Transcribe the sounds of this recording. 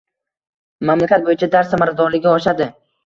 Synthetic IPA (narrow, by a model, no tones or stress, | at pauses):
mamlakʲat̪̚bojɪt͡ʃʰad̪aɾsamaɾazd̪ɒɾlɪɡʲaɒʃad̪ɪ